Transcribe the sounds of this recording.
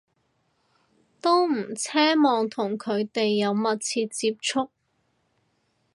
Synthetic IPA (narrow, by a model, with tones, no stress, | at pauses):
t̪o˥wm̩˨˩t͡sʰɛː˥mɔː˨ŋt̪ʰʊ˨˩ŋkʰɵ˨˧ɥt̪e˨jːɐ˨˧wmɐ˨t̚t͡sʰiː˧t̚t͡siː˧p̚t͡sʰʊ˥k̚